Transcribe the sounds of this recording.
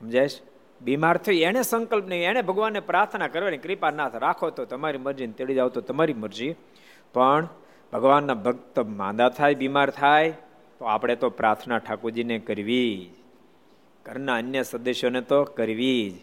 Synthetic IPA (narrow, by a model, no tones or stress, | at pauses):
ɦəmd͡ʒajʃ | bimaɾt̪ʰəieɽ̃esəŋkəlpnəʋĩeɽ̃ebʱəɡʋanːepɾaɾt̪ʰnakəɾʋenẽkɾipanat̪ʰɾakʰot̪ot̪əmaɾiməɾd͡ʒint̪eɭid͡ʒaʋt̪ot̪əmaɾiməɾd͡ʒi | pəɳ | bʱəɡʋanːabʱəɡ̚t̪əmã̰d̪at̪ʰajbimaɾt̪ʰaj | t̪oapɽ̃et̪opɾaɾt̪ʰnaʈʰakud͡ʒinekəɾʋid͡ʒ | kəɾnaənjəsəd̪əʃjonet̪okəɾʋid͡ʒ